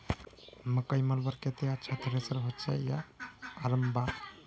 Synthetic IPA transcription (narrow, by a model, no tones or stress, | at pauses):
məkəjməlbəɾket̪ejat͡ʃʰət̪ɾesəɾɦət͡ʃeja̰ːɾəmba